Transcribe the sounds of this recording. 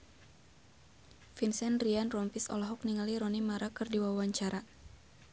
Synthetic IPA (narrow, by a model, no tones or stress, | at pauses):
finsɛnrianrɔmfisɔ̰lɔɦɔk̚niŋaliɾɔnimaɾakɨrdiwawaɲt͡ʃaɾa